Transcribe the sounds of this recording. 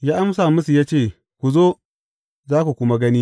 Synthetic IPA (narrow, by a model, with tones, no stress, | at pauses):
jaː˦ʔa˦msaː˨mʊ˦su˨jaː˦t͡ʃeː˦˨ | kʷu˨zoː˦ | zaː˦ku˨kʷʊ˦ma˦ɡɐ˦niː˦